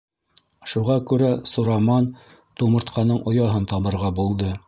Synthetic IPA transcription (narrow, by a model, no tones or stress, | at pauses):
ʃuʁɑkʉɾæsuɾɑmɑn | t̪umɤ̆ɾt̪qʰɑnɤɴʔŏjɑɦɤnt̪ɑβɤ̆ɾʁɑbulˠd̪ɤ